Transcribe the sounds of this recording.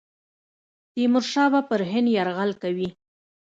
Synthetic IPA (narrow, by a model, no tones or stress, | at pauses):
t̪imʊɾʃɑbapəɾɦɪnd̪jaɾɣalkawi